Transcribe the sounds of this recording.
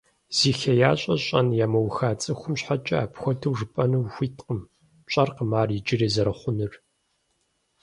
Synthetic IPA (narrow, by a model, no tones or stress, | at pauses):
z̥iːxɐjaːɕʼɐɕʼɐ̰njaːmɐwxaːt͡sʼɨxʷʊmɕħat͡ʃʼɐa̰ːpxʷɔtʰɨwʐɨpʼɐnɨwxʷiːtqəm | ɕʼɐrqəmaːrid͡ʒɪriːzɐɾɐχʷʊnɨr